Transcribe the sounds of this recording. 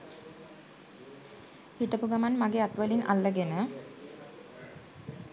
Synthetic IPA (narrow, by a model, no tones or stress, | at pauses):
hiʈəpuɡamanmaɡeat̪ʋəlinʔa̰lːəɡenə